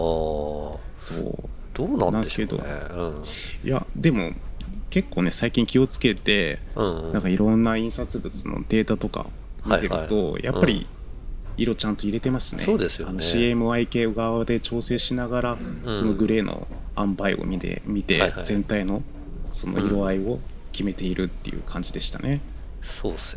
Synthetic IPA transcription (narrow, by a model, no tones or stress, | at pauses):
so̞̰ː | d̪̥oːnãnãske̞d̪o̰ | ja̰d̪e̞mo̞̰ke̞kːoːne̞saikʲĩŋkʲio̞t͡sɨ̥ke̞t̪e̞ | ãŋkaiɾõ̞nːaĩɰ̃sat͡sɨbɯ̟t͡sɨno̞̰d̪̥e̞ːt̪at̪o̞ka̰ | mit̪e̞ɾɯ̟̰t̪o̞jʔa̰pːaɾʲḭ | iɾo̞t͡ɕãnt̪o̞iɾe̞t̪emasɨ̥ned̪esanoɕiːe̞mɯ̟aike̞ːɡaβad̪e̞t͡ɕo̞ːse̞ːɕinaɡaɾaso̞no̞ɡɯ̟ɾe̞ːnʔo̰ | ãmbaio̰mʲiḛmʲit̪e̞z̥ẽ̞nt̪aino̞ | so̞no̰iɾo̞aio̞kʲime̞t̪e̞iɾɯ̟t̪ːejɯ̟̰kʰãɲ̟d͡ʑid̪e̞ɕi̥t̪a̰ne̞ | o